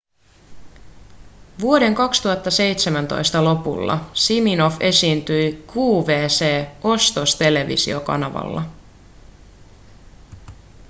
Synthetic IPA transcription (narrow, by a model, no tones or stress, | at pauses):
ʋuo̞de̞ŋkɑkst̪uhɑt̪ːɑse̞jt̪semænt̪o̞̰jst̪ɑlo̞pṵlːɑ̰simino̞fe̞siːnt̪yjkuːʋe̞ːse̞ːo̞st̪o̞st̪e̞le̞ʋḭsḭo̞kɑ̰nɑʋɑ̰lːɑ̰